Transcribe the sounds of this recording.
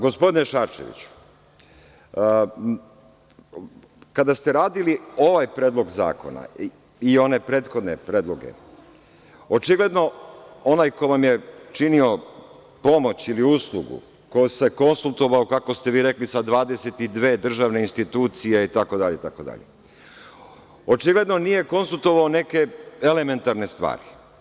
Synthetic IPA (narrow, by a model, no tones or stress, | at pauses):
ɡo̞spo̞d̪ineʃaːt͡ʃe̞̰ʋḭt͡ɕu̥ | kad̪ast̪e̞ɾaːd̪ilio̞ʋajpɾe̞ːd̪lˠo̞ɡza̰ːko̞̰na̰ | ione̞pɾe̞ːt̪xo̞d̪ne̞pɾe̞ːd̪lˠo̞ɡe̞̰ | o̞t͡ʃiɡle̞d̪no̞o̞naːjkoʋamje̞t͡ʃinio̞ | po̞mo̞t͡ɕiliuslˠuɡṵ | kojse̞ko̞nsulˠt̪o̞ʋaokako̞st̪e̞ʋiːɾe̞klisad̪ʋaːd̪e̞se̞t̪id̪ʋe̞ːd̪r̩ʒaʋne̞inst̪it̪uːt̪sijeit̪ako̞d̪aʎeit̪ako̞d̪a̰ʎḛ | o̞t͡ʃiɡle̞d̪no̞nije̞ko̞nsulˠt̪o̞ʋaone̞ke̞e̞le̞me̞nt̪aɾne̞st̪ʋa̰ːɾi